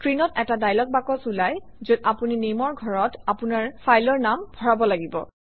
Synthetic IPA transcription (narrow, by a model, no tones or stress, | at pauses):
kɹinɔtɛtadajlɔk̚bakɔsulajzudapuninemɔɹɡʱɔɹɔtapunaɹfʰajlɔɹnamb̥ʱɔɹabɔlaɡibɔ̰